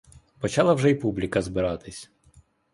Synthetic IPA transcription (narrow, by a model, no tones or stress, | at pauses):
pɔt͡ʃɑlˠɐwʒɛipublʲikɐzbɪɾɑt̪ɪsʲ